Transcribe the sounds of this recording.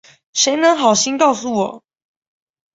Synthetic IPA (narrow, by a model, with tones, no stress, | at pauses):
ʂe˧˥ɪnə˧˦ŋxɑ˨˩ʊɕi˦nkɑ˥˩ʊsu˨˩wɔ˨˩˦